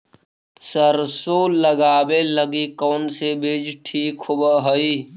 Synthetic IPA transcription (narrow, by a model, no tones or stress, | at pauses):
səɾsoːləɡaːbeləɡikɔːnsebʱeːd͡ʒʈʰiːkhʊbəɦəiː